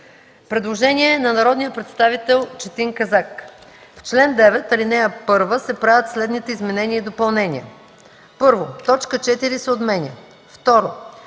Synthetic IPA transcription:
pɾɛd̪lˠoʒɛnʲiɛnɐnɐɾɔd̪nijəpɾɛt̪st̪avit̪ɛlˠt͡ʃɛt̪iŋkɐzak | ft͡ʃlɛnd̪ɛvɛt̪ɐlinɛjəpɤɾvəsɛpɾavʲət̪slɛd̪nit̪ɛizmɛnɛniəid̪opɐlˠnɛniɛ | pɤɾvot̪ɔt͡ʃkət͡ʃɛt̪iɾisɛot̪mɛnʲiə | ft̪ɔɾo

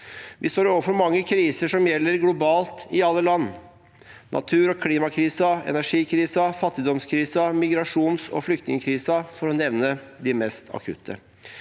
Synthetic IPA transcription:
ʋɪst̪oːɾoːʋəfɔɾmɑŋːəkʰɾiːsəʂɔmjɛlːəɾɡlʊbɑːlt̪ɪɑlːəlɑnː | nʔɑ̰t̪ʰʉːɾɔkʰliːmɑkʰɾiːsɑɛ̰næʂiːkʰɾiːsɑfɑt̪ːɪd̪ɔmskʰɾiːsɑmɪɡɾɑʂuːnsɔ̰flʏkt̪nɪŋəkʰɾiːsɑfɔɾɔnɛʋnəd̪ɪmɛst̪ʰɑ̰kʰʉ̰t̪ʰːə̰

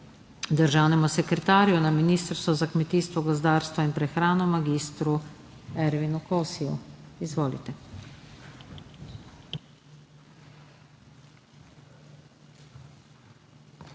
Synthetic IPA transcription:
d̪əɾʒaːwnɛmusɛkɾɛt̪aːɾjunaminiːst̪əɾst̪ʋɔzakmɛt̪iːst̪ʋɔɡɔzd̪aːɾst̪ʋɔinpɾɛxɾaːnɔmaɡiːst̪ɾu | ɛɾʋinukɔwsijṵizʋoːlḭt̪ɛ

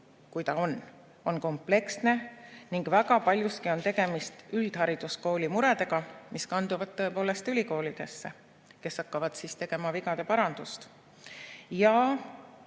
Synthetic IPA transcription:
kujt̪ɑo̞n | o̞nko̞mple̞ksne̞niŋɡ̥væɡɑpɑlʲjuskio̞nt̪e̞ɡ̥e̞mist̪yld̪̥hɑɾid̪̥usko̞ːlʲimuɾe̞d̪̥e̞ɡ̥ɑmiskɑnd̪uvɑd̪̥̚t̪ːo̞e̞po̞ːle̞st̪ylʲiko̞ːlid̪̥e̞sːe̞ | ke̞sːɑkːɑvɑd̪̥sist̪e̞ɡ̥e̞mɑviɡɑd̪̥e̞pɑɾɑnd̪̥ust̪ | jɑ

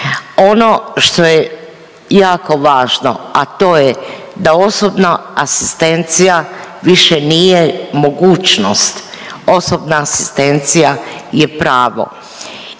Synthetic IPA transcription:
o̞no̞ʃt̪o̞je | jaːko̞ʋaːʒno̰at̪o̞ːje | d̪ao̞sobnaasi̥st̪e̞nt̪sijaʋiʃenijemo̞ɡuːt͡ʃnost̪o̞sobnaːsi̥st̪e̞nt̪sijajepɾaːʋo̞̰

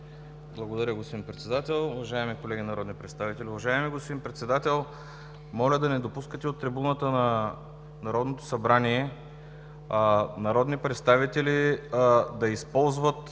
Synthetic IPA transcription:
blˠɐɡod̪ɐɾʲəɡospod̪inpɾɛt̪sɛd̪at̪ɛlˠʊvɐʒaɛmikolɛɡʲinɐɾɔd̪nipɾɛt̪st̪avit̪ɛlʲiʊvɐʒaɛmiɡospod̪inpɾɛt̪sɛd̪at̪ɛlˠ | mɔlʲəd̪ɐnɛd̪opuskət̪ɛot̪ːɾibunət̪ənɐ | nɐɾɔd̪not̪o̥sɐbɾaniɛ | nɐɾɔd̪nipɾɛt̪st̪avit̪ɛlʲi | d̪ɐispɔlˠzvət̪

